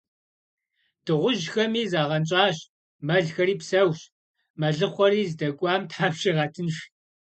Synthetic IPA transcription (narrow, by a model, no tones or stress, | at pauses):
d̥ɨʁʷʊʒxɐmiːzaːʁɐnt͡ʃʼaːɕ | mɐɮxɐɾiːpsɐwɕ | mɐɮɨχʷɔɾiːzdɐɡʷʼɑːmtʰħaːpɕiʁɑtʰɨnʃ